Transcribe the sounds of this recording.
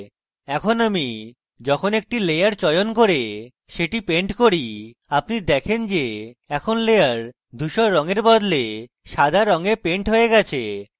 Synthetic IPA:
ɛkʰonami | d͡ʑɔkʰonek̚ʈilejaɾt͡ɕɔjonkoɾe | ʃeʈipeɳʈkoɾi | apniɾd̪ɛkʰend͡ʑeɛkʰonlejaɾ | d̪ʱuʃɔɾɔŋeɾbɔd̪le | ʃad̪ʱaɾɔŋepeɳʈɦoeɡɛt͡ɕʰe

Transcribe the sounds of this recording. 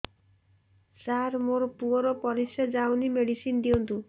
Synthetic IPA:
saɾmoɾɔpuɔɾɔpɔɾisad͡ʒawnimeɽisind̪iɔnt̪u

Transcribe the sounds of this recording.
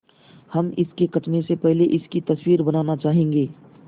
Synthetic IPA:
hɐmɪskekɐʈmẽsepɛɦleʔɪskit̪ɐswiːɾbɐnaːnat͡ʃaːɦẽːŋɡeː

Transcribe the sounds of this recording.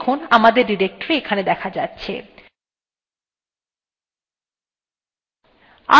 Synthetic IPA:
kʰonamad̪eɾɖiɾek̚ʈoɾeekʰaned̪ɛkʰad͡ʑatːɕʰḛ | a̰

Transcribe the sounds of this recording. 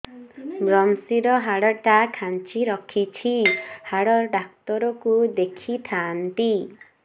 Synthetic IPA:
bɾɔmsiɾɔɦaɽɔʈakʰant͡ʃiɾɔkʰit͡ʃʰihaɽɔɾɖak̚t̪ɔɾɔkud̪ekʰit̪ʰant̪i

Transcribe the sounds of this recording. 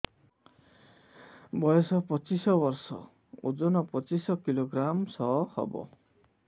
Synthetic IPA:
bɔjɔsɔpɔt͡ʃisɔbɔɾsɔ̰ | ud͡ʒɔnɔpɔt͡ʃisɔkiloɡɾamsɔhɔ̰bɔ̰

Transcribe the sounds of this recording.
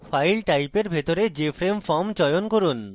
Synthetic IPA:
fajlʈajpeɾbʱet̪oɾed͡ʑefɾemfɔmt͡ɕɔjonkoɾun

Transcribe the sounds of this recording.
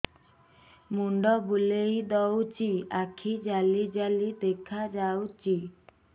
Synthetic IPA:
muɳɖɔbulejd̪ɔwt͡ʃiakʰid͡ʒalid͡ʒalid̪ekʰad͡ʒawt͡ʃi

